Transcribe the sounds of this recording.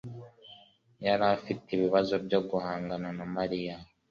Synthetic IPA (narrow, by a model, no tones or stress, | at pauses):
jaɾafitiβiβazo̞bjo̞ɡuhaːŋɡananamaɾija